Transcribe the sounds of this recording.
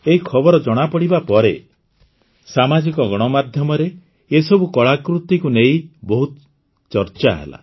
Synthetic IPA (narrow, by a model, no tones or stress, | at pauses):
eɦikʰɔbɔɾɔd͡ʒɔɽ̃apɔɽibapɔɾe | samad͡ʒikɔɡɔɽ̃ɔmad̪ʱjɔmɔɾe | esɔbukɔɭakɾut̪ikuneibɔɦut̪ | t͡ʃɔɾt͡ʃaɦḛla̰